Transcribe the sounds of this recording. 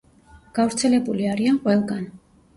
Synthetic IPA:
ɡ̥avɾt̪sʰɛlɛbuliaɾianqʼwɛlˠɡan

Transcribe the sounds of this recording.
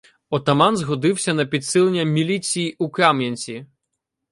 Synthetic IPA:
ɔt̪ɐmanzɣɔd̪ɨwsʲɐnɐpʲit̪sɨlˠenʲːɐmʲilʲitsʲijiʔukamjʲɐnʲsʲi

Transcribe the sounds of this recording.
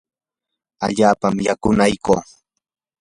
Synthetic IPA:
a̰ʎaːpamjakʊnajkoː

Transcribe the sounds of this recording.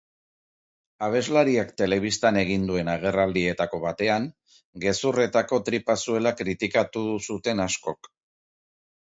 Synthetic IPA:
aβ̞e̞zlaɾiakt̪e̞le̞β̞ist̪ane̞ɣ̞ind̪ue̞naɣ̞e̞rald̪ie̞t̪ako̞βat̪e̞aŋ | ɡe̞sure̞t̪ako̞t̪ɾipasue̞lakɾit̪ikat̪uðusut̪e̞nasko̞k

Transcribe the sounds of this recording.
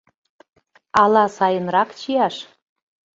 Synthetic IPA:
ɑlɑsɑjənrɑkt͡ɕijɑʃ

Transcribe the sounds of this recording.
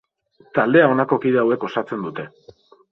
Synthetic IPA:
t̪ald̪e̞ao̞nako̞kiðeawe̞ko̞sat͡se̞nd̪ut̪e̞

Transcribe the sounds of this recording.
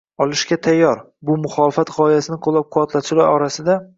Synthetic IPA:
ɒlˠɪʃkʲat̪ʰajːɒɾ | bʊmʊχɒlɪfat̪ʁɒɪjasɪnɪqʰolˠːap̚qʰʊɒt̪lat̪t͡ʃʰɪlaɾɒɾasɪd̪a

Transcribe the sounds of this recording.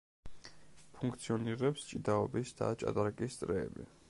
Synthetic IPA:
pʰuŋkʰt̪sʰiɔniɾɛpst͡ʃʼid̪aɔbisd̪̥a̰t͡ʃʼa̰t̪ʼaɾkʼist̪sʼɾɛːbḭ

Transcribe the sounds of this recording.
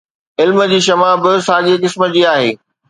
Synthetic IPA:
ɪlmə̆d͡ʑiːʃɐmabɪsaːɠekɪsməd͡ʑiːaːɦeː

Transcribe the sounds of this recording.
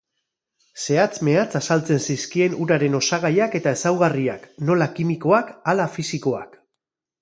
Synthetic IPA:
se̞at͡sme̞at͡sasalt͡se̞nsiskie̞nuɾaɾe̞no̞saɣ̞ajake̞t̪ae̞sawɣariakno̞lakimiko̞akalafisiko̞a̰k

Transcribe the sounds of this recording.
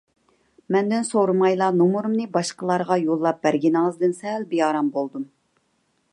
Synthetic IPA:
mɛnd̪ɪnsoɾmɑjlˠɑnomuɾumnɨbɑʃqəlˠɑɾʁɑjolˠːɑp̚bæɾɡʲinɑŋzd̪ɨnsɛlbijɑːɾɑmbolˠd̪um

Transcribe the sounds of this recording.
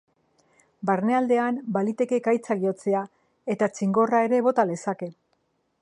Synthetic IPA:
baɾne̞ald̪e̞ambalit̪e̞ke̞kajt͡saɣio̞t͡se̞a | e̞t̪at͡ʃiŋɡo̞rae̞ɾe̞β̞o̞t̪ale̞sake̞

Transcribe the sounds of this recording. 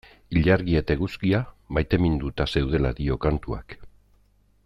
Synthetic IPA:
iʎaɾɣie̞t̪eɣuskia | majt̪e̞mind̪ut̪ase̞wð̞e̞la̰d̪io̞kant̪ua̰k

